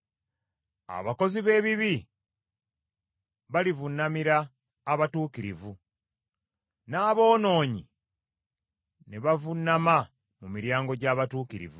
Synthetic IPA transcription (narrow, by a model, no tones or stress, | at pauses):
a̰βako̞ziβe̞ːβiβi | βalivunːamiɾaː | βatuːkiɾḭvu | naːβo̞ːno̞ːɲi | neβavunːama | mumiɾjaːŋɡo̞ɟaːβatuːkiɾḭvu